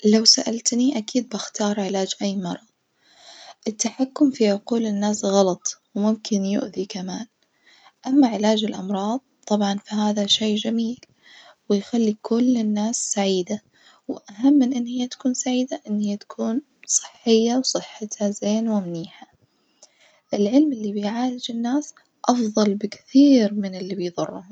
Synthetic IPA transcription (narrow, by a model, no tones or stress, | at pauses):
lawsaʔalt̪niʔakiːd̪̚bɪxt̪ɑːɾˤʕɪlaːd͡ʒʔajːmɑɾˤɑðˤ | ʔɪt̪ːaħakːʊmfiʕʊquːlɪnːaːsɣɑlɑt̪ˤwmʊmkʰɪnjʊ̰ʔðikamaːn | ʔamːaʕɪlaːd͡ʒɪlʔɑmɾˤɑːðˤt̪ˤːɑbʕɑnfaɦaːðaʃeːd͡ʒamiːl | wɪjxalːikʰʊlːɪnːaːsːaʕiːd̪a | wɪʔaɦamːɪnʔɪnːhɪjːat̪ḁkuːnsaʕiːd̪aʔɪnːhɪjːat̪ḁkʰuːn | sˤɨ̥ħːɪjːawsˤɨħːɪt̪hazeːnwɪmniːħa | ʔɪlʕɪlmʔɪlːibɪjʕaːlɪd͡ʒɪnːaːs | ʔɑfðˤɑlbɪkθiːɾmɪnɪlːibɪjðˤʊ̰rˤːʊhʊm